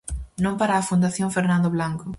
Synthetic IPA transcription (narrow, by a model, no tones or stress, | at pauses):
nõmpaɾaːfund̪aθjõŋfeɾnãnd̪oβlaŋkʊ